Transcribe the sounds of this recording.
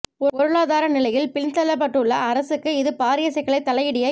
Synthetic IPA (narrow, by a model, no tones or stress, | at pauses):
ɔɔɾɯɭaːðaːɾɐnɪlɐjɪlpɪnt̪ɐlːɐp̬ːɐʈːɯɭːɐːɾɐsɯkːɯɪðɯpaːɾɪjɐsɐkːɐɭɐɪt̪ːɐlɐjɪɽɪjɐ